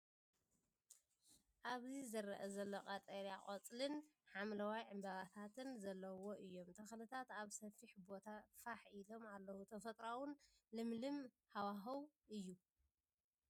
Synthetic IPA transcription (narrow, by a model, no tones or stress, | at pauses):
ʔaβzizɐɾɐʔɐzɐlːoqʼat̪ʼɐɾjakʼɐt͡sʼlɨnħamlɐwajʕɨmbaβat̪ʰat̪ʰɨnzɐlːɐwo̞ʔɨjːo̞mt̪ʰɐxlɨt̪ʰat̪aβsɐfiħbo̞t̪ʰafaħilo̞malːɐwut̪ʰɐfɐt̪ʼɾawʊn | lɨmlɨm | hawaɦɐw | ʔɨjːu